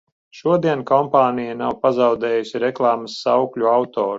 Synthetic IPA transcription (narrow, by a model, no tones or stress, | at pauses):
ʃuɔd̪iɛnkɔmpaːnijanawpazawd̪ɛːjusʲiɾɛklˠɑːmasːawklʲuawt̪ɔːɾu